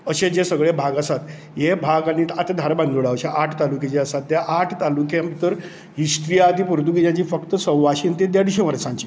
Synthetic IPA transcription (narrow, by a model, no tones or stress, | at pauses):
əɕed͡ʑesəɡɭebʱaɡasat̪ | jebʱaɡañit̪at̪ad̪ʱaɾbãnd̪uɭaʋɕeʔaʈʰt̪aluket͡ɕeəsat̪̚ːjaʔaʈʰt̪alukjamt̪əɾ | ɦist̪ɾijat̪iːpuɾt̪ukid͡ʑjãt͡ɕiːfəkt̪əsə̃wʋaɕiːnt̪ed̪jad̪iɕeʋəɾsãɲt͡ɕiː